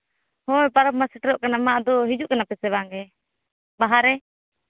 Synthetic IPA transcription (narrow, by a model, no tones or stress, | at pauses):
hɔ̃ɛpaɾəbmasɛʈɾɔʔkanamaʔd̪ɔɦid͡ʒuʔkanapɛsɛβaŋɡɛ | baɦaɾɛ